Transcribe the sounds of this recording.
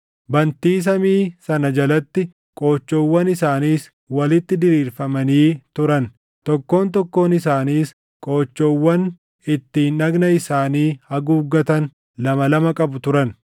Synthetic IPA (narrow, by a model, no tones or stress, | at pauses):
bɐnt̪iːs̬ɐmiːsɐnɐd͡ʒɐlɐt̪ːɪ | kʼo̞ːt͡ʃːoːwːɐnɪsaːniːs | wɐlɪt̪ːɪd̪ɪɾiːɾfɐmɐniːt̪ʊɾɐn | t̪ɔkːo̞ːnt̪ɔkːo̞ːnɪs̬aːniːs | kʼoːt͡ʃːoːwːɐn | ɪt̪ːiːnʔɐɡnɐɪsaːniːhɐɡuːɡːɐt̪ɐn | lɐmɐlɐmɐkʼɐbʊt̪ʊɾɐn